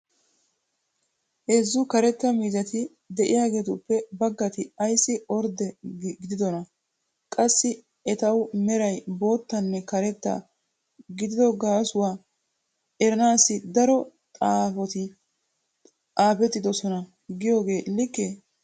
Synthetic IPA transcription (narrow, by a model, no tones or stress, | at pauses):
ʔezːʊkɐɾɛt̪ːɐmiːzɐt̪ɪ | d̪ɛʔɪjaːɡe̞ːt̪ʊpːɛbɐɡːɐt̪ɪɐjsːɪɔɾd̪ɛɡɪd̪ɪd̪ɔnɐ | kʼɐsːɪ | ɛt̪ɐwmɛɾɐjbo̞ːt̪ːɐnːɛkɐɾɛt̪ːɐ̰ | ɡɪd̪ɪd̪ɔɡaːsʊwaː | ɛɾɐnaːsːɪd̪ɐɾɔt̪ʼaːfɔt̪ɪ | ʔaːpɛt̪ːɪd̪ɔsɔnɐ | ɡɪjo̞ːɡe̞ːlɪkːɛ